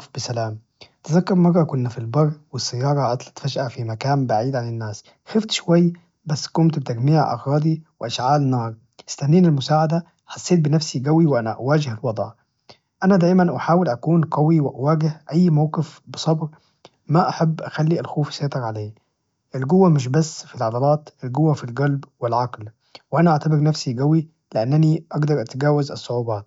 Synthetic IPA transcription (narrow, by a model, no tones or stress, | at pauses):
fbɪsalaːm | t̪ɪzakːɑɾmɑrˤːɑkʊnːafilbɑrˤːwɪsːajːɑːɾˤɑʕɑt̪ˤlḁt̪faʒʔafimakaːmbaʕiːd̪ʕanɪnːaːs | xɪft̪ʃʊwajː | basːkʊmt̪bɪt̪aɡmiːʕʔɑ̰ɣɾɑːd̪ˤiwɪʔaʃʕaːlnɑːɾˤ | ɪ̥st̪anːiːnɪlmʊsaːʕad̪a | ħɑsˤːeːt̪̚bɪnafsiɡawiwʔanaʔawaːd͡ʒɪhɪlwɑd̪ˤʕ | ʔanad̪aːʔmanʔaħaːwɪlʔakuːnqɑwiwɪʔawaːɡɪhʔajːmawqɪfbɨsˤɑbɾ | maʔaħabːʔaxalːiʔalxuːfseːt̪ˤɑɾʕaleː | ʔɪlɡʊwːamɪʃ̬basːfilʕɑd̪ɑlɑːt̪ʔɪlɡʊwːafilɡalbwɪlʕɑql | wʔanaʔaʕt̪abɪɾnafsiɡawi | lɪʔanːɪniʔɑɡd̪ɑɾˤʔat̪ɡaːwazɑsˤːʊʕuːbɑːt̪̚